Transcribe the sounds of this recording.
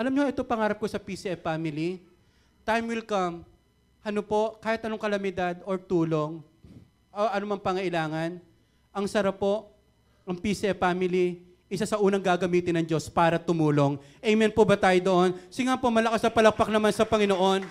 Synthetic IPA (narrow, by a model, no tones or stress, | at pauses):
ʔɐlɐmɲoʔɛt̪opɐŋaːɾɐp̚kosɐpisiʔɛfamɪli | t̪ajmwɪlkɐm | hɐnopo̞kaːhɪt̪ʔɐnoŋkɐlɐmɪd̪ad̪oɹt̪uːlo̞ŋ | ʔoʔɐnomɐŋpɐŋɐʔɪlaːŋɐn | ɐŋsɐɾapːo̞ʔ | ʔɐŋpisiʔɛpaːmɪli | ʔɪsasɐʔuːnɐŋɡaːɡɐmiːt̪ɪnɐŋd͡ʒo̞spaːɾɐt̪ʊmuːlo̞ŋʔɛjmɛnpobɐt̪aːjod̪o̞ʔo̞nsɪŋapomɐlɐkasɐpɐlɐk̚pɐk̚nɐmansɐpɐŋɪnoʔo̞n